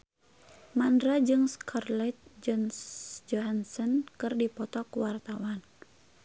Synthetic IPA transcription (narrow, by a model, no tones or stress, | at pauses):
mandɾad͡ʒɨŋskʰɔrlat̪̚d͡ʒɔnd͡ʒɔɦansənkɨrdipɔt̪ɔkuwart̪awan